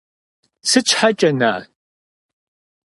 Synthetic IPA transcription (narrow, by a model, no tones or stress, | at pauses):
sɨt͡ʃʰħat͡ʃʼɐna̰ː